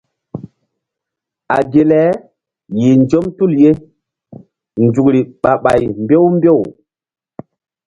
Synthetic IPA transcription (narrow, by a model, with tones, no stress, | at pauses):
a̰˨ɡe˨lɛ˨˦ | ji˨nd͡ʒo˦mtu˦˨lje˦ | nd͡ʒu˨kɾi˨ɓa˨ɓa˨jmbe˦wmbe˦˨w